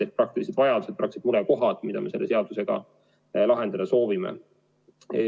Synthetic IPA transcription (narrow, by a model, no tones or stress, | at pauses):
et̪̚prɑk̚t̪ilised̪vɑjɑd̪used̪̚prɑk̪sid̪muɾɛko̞ɦɑd̪̥mid̪ɑ̰me̞se̞lːe̞se̞ɑd̪̥use̞ɡ̥ɑ̰ | lɑɦe̞nd̪̥ɑd̪ɑso̞ːvimḛ